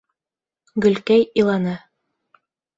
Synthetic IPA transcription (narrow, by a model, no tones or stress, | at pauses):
ɡɵ̆lkæjilˠɑnɤ